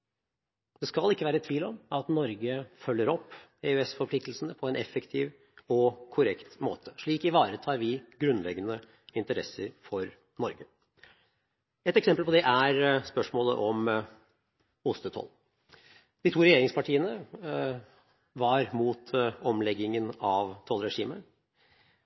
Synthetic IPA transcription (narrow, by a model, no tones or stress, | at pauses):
d̪̥ɛskɑlɪkːəʋæːɾəɛt̪ʰːʋiːlɔmɑt̪nɔɾɡəfœlːəɾɔpːeʉɛsfɔɾpʰlɪk̚t̪l̩sən̩əpʰɔɛnɛfəkt̪ʰɪʋ | ɔkʰʊɾɛkt̪mo̰ːt̪ʰə̥ʂɭiːkɪʋɑːɾət̪ʰɑːɾʋɪɡɾʉnːlɛɡːənə | ɪnt̪əɾɛsəɾfɔɾ | nɔɾɡə | ɛt̪ɛksɛmpəlpɔd̪ɛʔæɾspœʂmoːlə̰ʔɔm | ʊst̪ət̪ʰɔ̰l | d̪̥ɪːt̪ʰuːɾɛjeːɾɪŋspɑʈʰiːənə | ʋɑɾmuːt̪ɔmlɛɡɪŋənɑʋt̪ʰɔlɾɛʂiːmə